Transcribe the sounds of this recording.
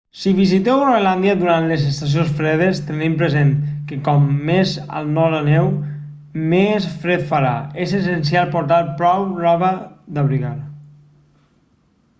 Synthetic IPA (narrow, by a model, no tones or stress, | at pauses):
siβizit̪ewreland̪jaðuɾant̪lezest̪as̬ijonsfɾeðest̪ənempɾezenkekɔmːezə̰lˠnɔɾanɛw | mesfɾet̪faɾaezes̬ens̬ijalˠpoɾt̪aɾpɾɔwrɔβəðaβɾiɣaɾ